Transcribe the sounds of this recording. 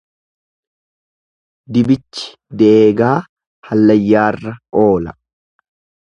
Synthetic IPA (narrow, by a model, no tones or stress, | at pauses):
d̪ɪbɪt͡ʃːɪ̥ | d̪eʔeːɡaː | hɐlːɐjːaːrːɐʔo̞ːlɐ̰